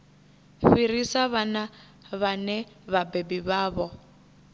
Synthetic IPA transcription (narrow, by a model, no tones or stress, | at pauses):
ɸiɾisaβana | βanɛβabebiβaːβɔ